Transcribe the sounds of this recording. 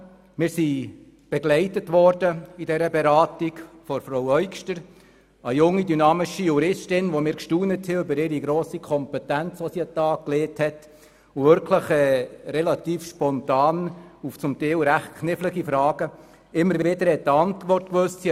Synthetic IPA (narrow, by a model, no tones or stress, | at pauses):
mɪːɾsi | b̥ɛɡlɛɪtətʋɔrdəidɛɾəbɛɾɑːtiɡfɔɾfɾowœʏkʃtəɾ | əjʊŋːidynɑːmɪʃijuɾɪstɪnʋomɪːɾkʃtuːnəthɛʉbəɾɪɾiɡɾɔːsikʰɔmpɛtænt͡sʋɔsiətɑːk̚kleːthɛt | ʊvʏɾkʰləχɛːɾɛlɑt̪iːfʃpɔntɑːnuft͡sʊmtɛɪlɾæχtkʰnɪfləɡifɾɑːɡ̥ə | ɪmːəɾʋɪdəɾhɛt̚ːəɑntʋɔrtkʋøstsi